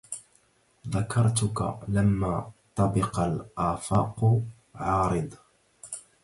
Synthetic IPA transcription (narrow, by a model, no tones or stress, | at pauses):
ðakʰɑɾˤt̪ʊka̰lamːaːt̪ˤɑbɪqalʔaːfɑːqʊ | ʕɑːɾɨd̪ˤ